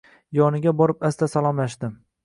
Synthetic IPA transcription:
jɒnɪɡʲabɒɾɪpast̪asalˠɒmlaʃd̪ɪm

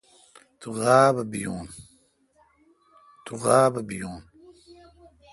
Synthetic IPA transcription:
t̪uɣaːbɐbijuːn | t̪uɣaːbɐbijuːn

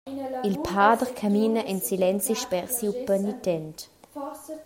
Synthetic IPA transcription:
ilpʰaːdəʁkʰamiːnəʔɛnsilɛnt͡siʃpɛʁsipənitɛnt

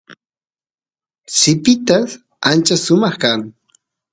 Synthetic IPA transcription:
sɪpɪt̪as | ant͡ʃasʊmɑχkaŋ

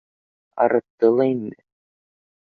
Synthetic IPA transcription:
ɑ̰ɾɤ̆t̪ːɤlˠɑinmɘ

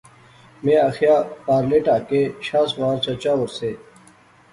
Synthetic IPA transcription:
mẽːaxjaːpaːɾleːʈaːkeɕaːsʋaːɾt͡ɕɐt͡ɕaːəɾseː

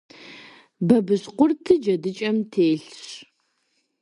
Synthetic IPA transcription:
bɐbɨɕqʷʊrtʰɨd͡ʒɐdɨt͡ʃʼɐmtʰeːɬɕ

